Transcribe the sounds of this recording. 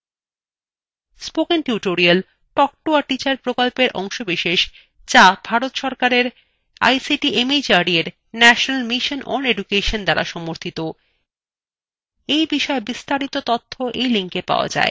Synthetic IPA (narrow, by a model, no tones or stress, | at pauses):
spokenʈjuʈoɾial | ʈɔk̚ʈoaʈit͡ɕaɾpɾokolpeɾʔɔ̰ŋʃobiʃeʃ | d͡ʑab̥ʱaɾot̪ʃɔɾkaɾeɾ | a̰jsiʈiʔemid͡ʑaɾieɾ | nɛʃonalmiʃonʔɔ̰neɖukeʃond̪aɾa̰ʃɔmoɾt̪ʰit̪o | ejbiʃɔebist̪aɾit̪ot̪ot̪ʰːoʔejliŋkepa̰oa̰d͡ʑa̰e